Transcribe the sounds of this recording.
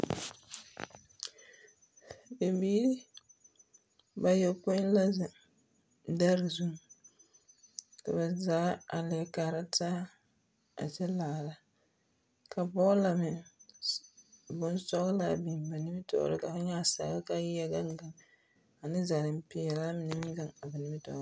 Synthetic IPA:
be˨mbiː˦ɾɪ˦ | ba˨jo˨pɔ˦la˦za˨˦ | da˦ɾzu˦ŋ | ka˨βa˨zaː˨˦a˨lɪ˨ɛ˨kaː˨ɾa˦tʰaː˦ | a̰˨d͡ʒɛ˦laː˨la˦ | ka˨bɔ˦la˨mɪ˨ | bʊ˨nsɔ˦ɣla˨bi˨ba˨nɪ˦mɪ˦tɔ̰˦ɾɪ̰˦ka˨a˦ɲa˦˨sa̰ː˨ba˦ka˦jɪ˦ja˦ɡa˦ŋ˦ɡa˨ŋ | a˨nɪ˦za˨ɾɪ˨m˦pɪ˨ɛ˨laː˦mɪ˨nɪ˦mɪ˦ɡa˨ŋa˨ba˨nɪ˦mɪ˦tɔ̰ː˦˨˦ɾ

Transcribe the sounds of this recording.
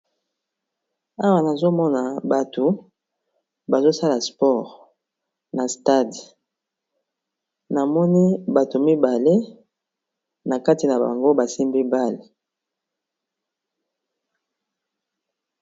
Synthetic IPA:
a˦wa˦na˨zo˦mɔ˦na˨ba˨to˨ | ba˨zo˦sa˦la˨spɔ˦˨ʁ | na˨sta˦di˨ | na˨mɔ˦ni˦ba˨to˨mi˦ba˨le˦ | na˨ka˦ti˨na˨ba̰˨ŋɡo˦ba˨si˦mbi˦ba˦le˨

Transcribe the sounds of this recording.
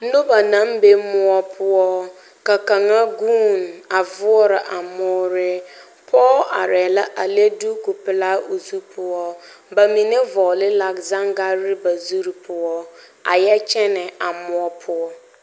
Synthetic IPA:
nõ˦ba˨nã˦mbe˦mʊ˦ɔ˦pʰʊ˦ɔ˦ | ka˨ka˨ŋa˦ɡuː˦na˨vʊ˦ɔ˦ɾɪ˨ʔa˨mʊ˦ɾɪ˦ | pʰɔ˦a̰˨ɾɛ˨la˦ʔa˨le˦du˦ku˨pɪ˨la˦o˨zu˦pʰʊ˦ɔ˦ | ba˨mĩ˨ne˦vɔː˨lɪ˦la˨kza˦ŋda˦ɾɪ˦ba˨zu˦ɾi˨pʰʊ˦ɔ˦ | a̰˨jɛ˦t͡ʃʰɛ˦nɛ˨a˨mʊ˦ɔ˦pʰʊ˦ɔ˦

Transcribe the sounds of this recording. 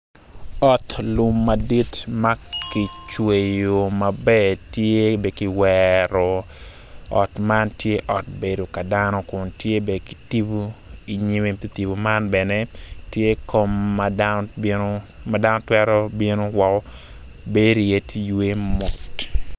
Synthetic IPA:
ɔ˨tlʊ˨mːɐ˨di˦tmɐ˦ki˨t͡ʃwe˨jo˨ma˨bɛ˦tje˦be˨ki˨wɛɾɔ˨ | ɔ˨tma˦ntje˦ʔɔ˨t̚be˨do˨ka˨danɔ˦kʊ˨ntje˦be˨ki˨ti˦bu˦i˨ɲi˦me˨ti˦ti˨bu˨ma˦nbɛ˨nɛ˦tje˦kʰo˦mːa˨anoma˨danɔ˦twɛɾɔ˦bi˦no˦wɔ˨kɔ˦ | be˦ɾi˨je˦tjwe˦mɔ˨t

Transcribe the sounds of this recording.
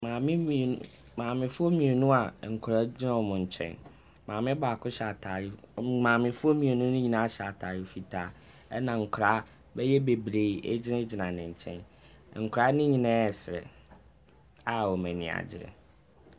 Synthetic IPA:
mãː˨mɪ̃˦˨ | mãː˨mɪ̃˨fʊ˦o˦mĩ˨e˨nũ˦a˨ŋ̩˨kʰɾa˦d͡ʑɪ˦nã˦wɔ˨mʊ̃˨ɲ̩˨t͡ɕʰɛ̰̃˦n | mãː˨mɪ̃˦ba˨kʰʊ˦ɕa˨tʰa˨ɾɪ˦mãː˨mɪ̃˨fʊ˦o˦mĩ˨e˨nũ˦nɪ̃˦ɲĩ˨nã˨˦ɕa˨tʰa˨ɾɪ˦fi˨tʰaː˦ | ɛ˦nã˨ŋ̩˨kʰɾa˨˦ | bɛ˦jɛ˦be˨bɾe˨˦˨ḛ˦d͡ʑɪ˦nɪ̃˦d͡ʑɪ˨nã˨nɪ̃˨ɲ̩˨t͡ɕʰɛ̰̃˦n˨ | ŋ̩˨kʰɾa˦nɪ̃˦ɲĩ˨nã˦ɛ˨sɾɛ̰˨ | a˨wɔ˨mɛ̃˨nɪ̰̃˨a̰˨d͡ʑɪ̰˦ɛ̰˨

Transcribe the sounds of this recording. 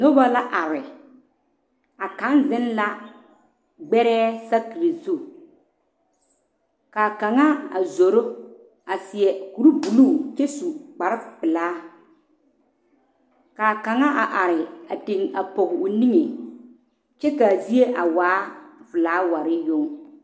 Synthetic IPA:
no˦ba˦la˦ʔa˨ɾɪ˨ | a˨ka˨˦nzɪ˦nla˦ | ɡ͡bɛ˦ɾɛː˦sa˦ki˨ɾi˨zu˦˨ | ka˨ka˨ŋa˦a˨zo˨ɾo˦ | a˨sɪ˨ɛ˨ku˨ɾu˦bu˨luː˦˨t͡ʃe˦su˨k͡pa˨ɾɪ˦pɪ˨laː˦ | ka˨ka˨ŋa˦ʔa˨ʔa˨ɾɪ˨a˨tɪ˨ŋa˨pɔ˨ɣɪ˨ʊ˨ni˦ŋe˨ | t͡ʃɛ˦ka˨zi˦e˦ʔa˨waː˨˦vɨ˨laː˨˦wa˨ɾɪ˦jʊ˦ŋ˦

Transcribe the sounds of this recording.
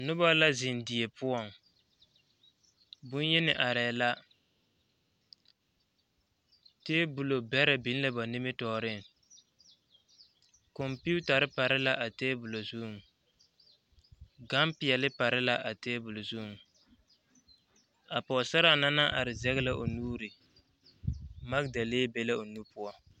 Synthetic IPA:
nʊ˦ba˦la˦zɪ˨ndi˨e˨pʊ˦ɔ˦˨ŋ | bʊ˦n˦jɛ˦nɪ˨ʔa˨ɾɛː˨la˦ | teː˦bu˨lo˨bɛ˦ɾɪ˨bi˦n˦lɪ˦ba˨nɪ˦mɪ˦tɔː˨ɾɪ˦ŋ | kɔ˨mpi˦u˦ta˨ɾɪ˦pa˨ɾɪ˦la˦ʔa˨teː˦bu˨lo˨zu˦˨ŋ˨ | ɡa˦mpɪ˨ɛ˨lɪ˦pa˨ɾɪ˦la˦ʔa˨teː˦bu˨lo˨zu˦˨ŋ˨ | a˨pɔ˨sa˦ɾa˦˨na˦na˦ʔa˨ɾɪ˨zɛ˦ɣɪ˦la˦ʔo˨nuː˦ɾi˨ | ma˦kda˨leː˦be˦la˦o˨nu˦pʊ˦ɔ˦

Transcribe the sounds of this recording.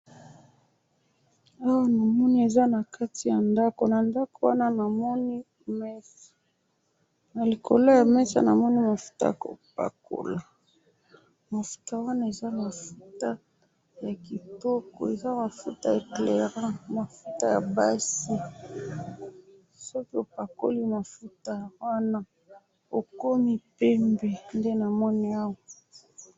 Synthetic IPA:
a˦wa˦na˨mɔ˦ni˦e˨za˦na˨ka˦ti˨ja˨nda˦ko˨na˨nda˦ko˨wa˦na˦na˨mɔ˦ni˦ | mɛ˦s | na˨li˨kʰo̰˨lo˦ja˨mɛ˦sa̰˦na˨mɔ˦ni˦ma˨fu̥˦ta̰˦ja˨ko̰˨p̚a̰˨kʰo̰˨la˨ | ma˨fu̥˦ta˦wa˦na˦e˨za˦ma˨fu˦ta˦ | ja˨ki˨tɔ˦kɔ̰˨e˨za˦ma˨fu˦ta˦e˨kle˨ʁã˦ma˨fu˦ta˦ja˨ba˦si˦ | sɔ˦ki˦o˨pa˨ko̰˦li˦ma˨fu˦ta˦wa˦na˦ | o˨ko˦mi˦pe˦mbe˨nde˦na˨mɔ˦ni˦a˦wa˨

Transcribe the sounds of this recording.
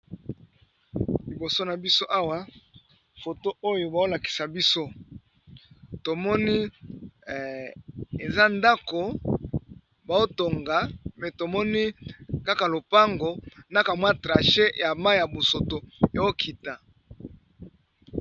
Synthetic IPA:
li˨bo˨so˦na˨bi˦so˦ʔa˦wa˦ | fo˨to˦o˦jo˨ba˨o˦la˨ki˨sa˨bi˦so˦ | to˨mɔ˦ni˦ | e˨za˦nda˦ko˨ | ba˨o˦to˨ŋɡa˨mɛ˨to˨mɔ˦ni˦ka˦ka˨lo˨pa˦ŋɡo˨na˦ka˨mwa˦tʁa˨ʃe˦ja˨ma˦ja˨bo˨so˨to˨e˨o˦kʰi˨ta˨

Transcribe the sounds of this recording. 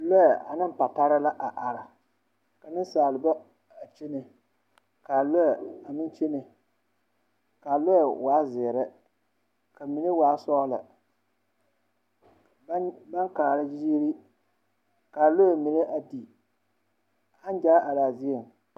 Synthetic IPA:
lo˦a˨a˨nɨ˦m˦pa˨ta˦ɾa˦la˦ʔa˨ʔa˨ɾa˨ | ka˨nɨ˦saː˨lɨ˨ba˦ | a˨t͡ʃe˦ne˨ | ka˨lo˦ja˨a˨mɪ˦n˦t͡ʃe˦ne˨ | ka˨lo˦ja˨waː˨˦zɪ˨ɾɛ˦ | ka˨mi˨ne˦waː˨˦sɔː˦la̰˨˦ | ba˦ŋkaː˨la˦d͡ʒi˦d͡ʒi˦ɾi˦ | ka˨lo˦ɛ˨mi˨ne˦ʔa˨di˨ | a˦n˦d͡ʒaː˦ʔa˨laː˨zi˦a˨ŋ

